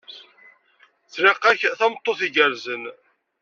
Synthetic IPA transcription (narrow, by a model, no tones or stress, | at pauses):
θɾɪqːæçθæmt̪ˤːoθiɡəɾzən